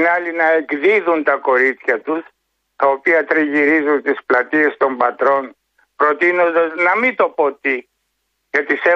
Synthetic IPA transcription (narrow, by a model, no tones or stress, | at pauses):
nɐlinɐe̞kðiðunt̪ɐko̞ɾit̪t͡sçɐt̪us | t̪ɐo̞piɐt̪ɾiʝiɾizunt̪isplɐt̪ie̞st̪o̞mbɐt̪ɾo̞n | pɾo̞t̪inod̪ɐznɐmit̪o̞po̞t̪i | ʝɐt̪ise